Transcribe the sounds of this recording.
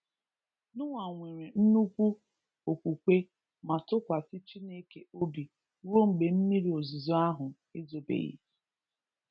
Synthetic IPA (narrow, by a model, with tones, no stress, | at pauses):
nʊ˦ŋa˨ŋʷe˨ɾe˨n̩˦nu˦kʷu˦ | o˨kʷu˨kʷe˦ | ma˨tʊ˦kʷa˨si˦t͡ʃi˦ne˦ke˦o˦bi˨ | ɾo˦ŋ͡m̩˨ɡ͡be˨m̩˦mi˦ɾi˨o˨zi˨zo˦a˦ɦʊ˨ | ɪ˦zo˨bḛ˨jḭ˦